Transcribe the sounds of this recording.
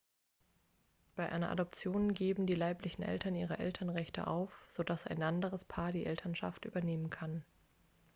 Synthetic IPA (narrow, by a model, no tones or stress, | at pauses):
b̥aɪʔa̰ɪnɐ̰ʔa̰dɔp̚t͡sjoːnɡeːbm̩diːlaɪplɪçn̩ʔɛ̰ltɐnʔiːʁ̞ɐʔɛ̰ltʰɐnʁɛçtʰə̰ʔa̰ʊfz̥odasa̰ɪnʔandəʁəspʰaːɐdiːʔɛltʰɐnʃa̰ftʔy̰ːbɐneːmənkʰan